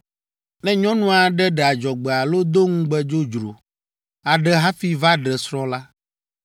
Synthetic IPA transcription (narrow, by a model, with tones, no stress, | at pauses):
nɛ̃˦ɲɔ̃˦nũ˦a˨ɖɛ˦ɖɛ˨a˨d͡ʒɔ˨ɡ͡bɛ˨a˨lo˦d̪o˦ŋũ˦ɡ͡bɛ˦d͡ʒo˦d͡ʒɾo̰˨ | a˨ɖɛ˦ɦa˦fi˦va˦ɖɛ˨sɾɔ̃˦la˦